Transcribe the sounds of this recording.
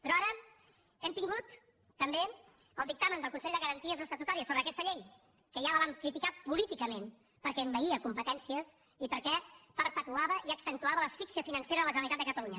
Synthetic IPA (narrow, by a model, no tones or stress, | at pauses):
pɾɔaɾə | ɛmt̪iŋɡut̪ː | əmbe | əlˠd̪ik̚t̪amənd̪əlˠkunsɛʎd̪əɣəɾənt̪iəzðəsət̪ut̪aɾiəsoβɾəkɛst̪əʎej | kəʒaləβaŋkɾit̪ikapulit̪ikəmen | pəɾkɛmbəiəkumpət̪ɛnsiəs | ipəɾkɛpəɾpət̪uaβəʔiəksənt̪uaβələsfiksiəfinənseɾəðələʒənəlit̪at̪d̪əkət̪əluɲə